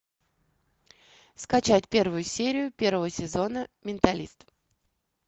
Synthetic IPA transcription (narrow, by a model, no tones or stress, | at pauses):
skɐt͡ɕætʲpʲe̞rvʊjʊsʲeɾʲɪjʊpʲe̞rvəvəsʲɪzo̞nəmʲɪnt̪ɐlʲist̪